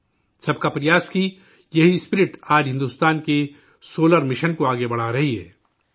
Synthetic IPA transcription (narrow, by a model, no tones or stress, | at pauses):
sɐb̚kapɾɪjaːski | jɐɦispɪɾɪʈaːd͡ʒɦɪ̃nd̪uːst̪aːnke | soːləɾmɪʃənkoaːɡebɐɽ̤aɾɐɦiɦɛ̰ː